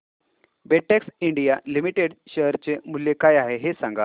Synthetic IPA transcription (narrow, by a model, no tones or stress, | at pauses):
beʈeksiɳɖijalimiʈeɽɕəɦɾt͡ɕemuljekajaɦeɦesãŋɡa